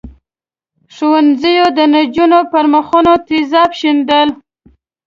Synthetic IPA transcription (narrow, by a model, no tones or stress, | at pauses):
ʂowanzəjod̪ənad͡ʒunopaɾməxunot̪izɑpʃind̪əl